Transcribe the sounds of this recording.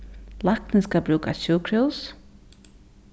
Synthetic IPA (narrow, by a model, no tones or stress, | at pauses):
lak̚t̪ɪskabɾʉːkaɕuːkʰɾuws